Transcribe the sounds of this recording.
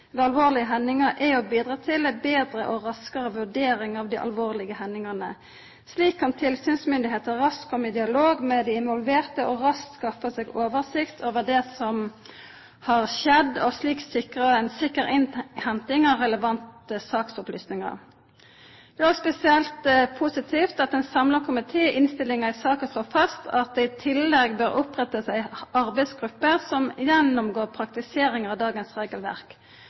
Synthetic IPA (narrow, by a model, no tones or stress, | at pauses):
d̪ɛɑlʋoːʁlɪəɦɛnːɪŋəɾʔɛʊbiːd̪ʁɑt̪ʰɪlbeːd̪ʁəʔɔʁɑskəʁəʋʉʁɖeːɾɪŋɑʋd̪ɪʔɑ̰lʋoːʁlɪɡəhɛnːɪŋəʁnə | sliːkʰːɑnt̪ʰɪlsyːnsmʏnd̪ɪɦeːt̪əʁɑskʰɔmɪd̪ɪɑloːɡmɛd̪ɪɪnʋɔlʋeːʁt̪əʔɔɾɑsk̪skɑfəsɛːɡoːʋəʁsɪkt̪ʰoːʋəd̪ɛsɔm | hɑʁʃɛd̪ɔsliːksɪkʁəɛnsɪkːəʁɪnhɛnt̪ɪŋɑʁɛləʋɑnt̪əsɑːksʊplyːsnɪŋɑ̰ʁ | d̪ɛospɛsɪɛlt̪pʰʊsɪt̪ʰiːft̪ɑt̪ɛnsɑmlɑʁkʰʊmɪt̪ʰeːʔɪnst̪ɪlɪŋɑɪsɑːkənsloːfɑst̪ʰɑt̪̚d̪ɛɪt̪ʰɪlːɛɡbøːɾɔpʁɛt̪əsæɪɑʁbæɪsɡʁʉpːəsɔmjɛnːʊmɡoːʁpʰɾɑk̚t̪ɪseːɾɪŋəʁɑʋd̪ɑːɡənsʁeːɡəlʋæ̰ʁk